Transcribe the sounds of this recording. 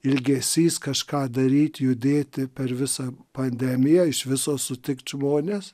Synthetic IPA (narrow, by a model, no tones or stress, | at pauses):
ɪlʲɡʲɛsʲiːskɐʃkɑːd̪ɐɾʲiːt̪ʲjʊd̪ʲeːt̪ʲɪpʲɛrʋʲɪsɐpɐnʲd̪ʲæmʲɪjɛɪʃʋʲɪsoːsʊt̪ʲɪkt̪ʒmoːnʲeːs